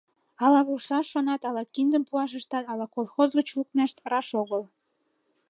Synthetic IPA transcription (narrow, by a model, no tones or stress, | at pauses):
ɑlɑβuʃɑːonɑt̪ɑlɑkind̪əmpuɑʃ̬əʃt̪ɑt̪ɑlɑkolˠxozɣət͡ɕluk̚neʃt̪rɑʃoɣəl